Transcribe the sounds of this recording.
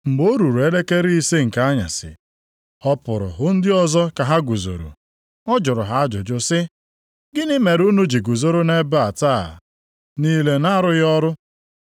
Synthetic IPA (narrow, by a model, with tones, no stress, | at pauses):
m̩˨bo˦ɾu˨ɾe˦le˦ke˦ɾi˦i˦se˦ŋ̩˨ka˦ɲa̰˨sɪ̰˨ | ɔ˦pʊ˨ɾʊ̰˨ɦʊ˦n̩˦dɪ˦ɔ˦zɔ˦ka˨ɦa˦ɡu˨zo̰˨ɾṵ˨ | ɔ˦d͡ʒʊ˨ɾʊ˨ɦa˦a˦d͡ʒʊ˨d͡ʒʊ˦sɪ˦ | ɡɪ˦ni˦me˨ɾu˦nu˦d͡ʒi˨ɡu˨zo˦ɾo˦ne˦ba˨taː˦˨ | niː˦le˦na˦ɾʊ˦jɔ˦ɾʊ˦